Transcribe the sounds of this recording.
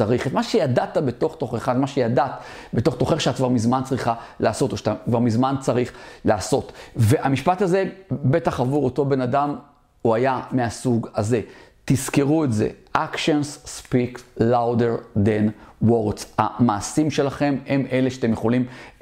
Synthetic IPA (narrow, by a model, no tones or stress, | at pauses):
aʁiχetmaʃejadat̪abe̞to̞χt̪o̞χeχadmaʃejadat̪beto̞χt̪o̞χeʃeat̚kvaʁmizmant͡sʁiχalaːso̞toʃaakvaʁmizmant͡saʁiχlaːso̞tve̞ʔamiʃpataze̞be̞taχavuʁoto̞be̞nadam | uajameasuɡaze̞tizkeʁuetzḛʔakʃensːpiklawdeʁd̪enwo̞ʁtt͡sa̰maːsimʃe̞laχe̞memeleʃat̪emjeχo̞lim